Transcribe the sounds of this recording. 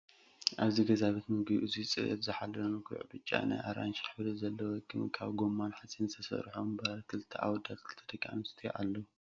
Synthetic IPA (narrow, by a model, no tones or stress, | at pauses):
ʔaβziɡɐzaβit̪mɨɡʔɨzit͡sʼɨʔɨ̰tzɨħalːɐlomɨɡʰṵʕbɨt͡ʃʼːa̰na̰jʔaɾanʃħɨβlɨzɐlːɐwokʰɨmkʰa̰βɡomːanħasʼint̪ʰɐsɐ̰ɾħombɐkʰɨlt̪ʰɐʔa̰wɔd̪at̪̚kʰɨlt̪ʰɐd̪ɐkʼa̰nst̪ʰij̰ʔalːɐw